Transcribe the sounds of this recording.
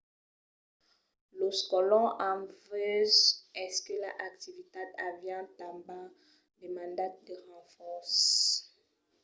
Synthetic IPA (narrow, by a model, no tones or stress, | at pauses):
loskɔlɔ̃ʔɑ̃vøzɛskəlaʔak̚t̪ivit̪ad̪avjɑ̃t̪ãmba | demɑ̃nd̪at̪̚d̪əʁɑ̃fɔʁs